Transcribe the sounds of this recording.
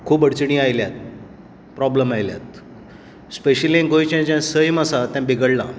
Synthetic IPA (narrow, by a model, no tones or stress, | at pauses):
kʰuːpəɽt͡ɕɳ̃iːajljat̪̚ | pɾɔbləmajlja̰t̪ | speɕəliẽɡojt͡ɕãt͡ɕãsəjmasat̪ãbiɡəɽla̰